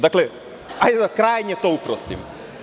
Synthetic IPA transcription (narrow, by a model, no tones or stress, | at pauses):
d̪aklɛ | ajd̪ɛd̪akɾajɲɛt̪oupɾɔst̪ḭm